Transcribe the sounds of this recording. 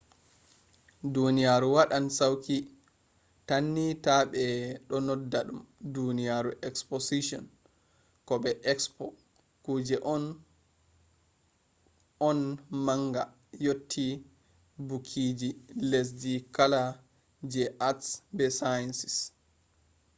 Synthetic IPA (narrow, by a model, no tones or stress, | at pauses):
dunijaɾuwaɗansawki | tanːitaɓɛɗɔnɔdaɗumdunijaɾuʔɛksposiʃɔ̰n | kɔɓɛʔɛkspɔ | kuːd͡ʒɛʔɔn | ɔnmaŋɡa̰ | jotʰːi | bukʰiːd͡ʒiles̬dikala | d͡ʒɛʔatsbɛsajansi̥s